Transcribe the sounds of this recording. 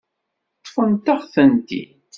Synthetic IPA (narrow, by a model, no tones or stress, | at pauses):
t̪ˤːfənt̪ɑʁθænt̪ḭ